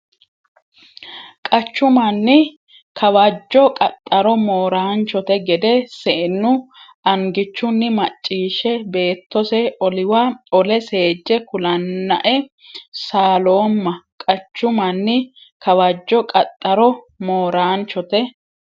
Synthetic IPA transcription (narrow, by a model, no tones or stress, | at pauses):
kʼɐt͡ʃːʊmɐnːɪ | kʰɐwɐd͡ʒːɔkʼɐt̪ʼːɐɾɔmoːɾaːnt͡ʃɔt̪ɛɡɛd̪ɛsɛʔɛnːʊ | ɐŋɡɪt͡ʃːʊnːɪmɐt͡ʃʼːiːʃɛbe̞ːt̪ːɔsɛɔlɪwaɔlɛse̞ːd͡ʒːɛkʊlɐnːɐʔɛ | saːlo̞ːmːɐkʼɐt͡ʃːʊmɐnːɪkɐwɐd͡ʒːɔkʼɐt̪ʼːɐɾɔ | moːɾaːnt͡ʃɔt̪ɛ